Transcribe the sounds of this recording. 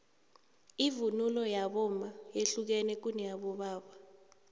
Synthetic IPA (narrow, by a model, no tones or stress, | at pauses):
ivunulɔjaɓɔmajeɬuk̬ɛnɛk̬unɛjaɓɔɓaːɓa